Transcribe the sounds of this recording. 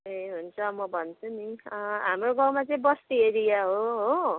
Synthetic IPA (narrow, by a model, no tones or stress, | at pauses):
eɦunt͡sʰʌmʌbʱʌnt͡sʰuniʌɦamroɡãw̃mat͡sʌĩbʌst̪ieɾijaɦoɦo